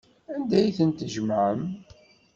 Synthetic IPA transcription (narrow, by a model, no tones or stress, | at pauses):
ænd̪æjθənt̪ʒəmʕəm